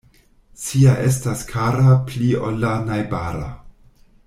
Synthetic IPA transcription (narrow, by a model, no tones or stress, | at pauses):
t͡siaʔe̞staskʰaɾaplio̰lːanajbaɾa̰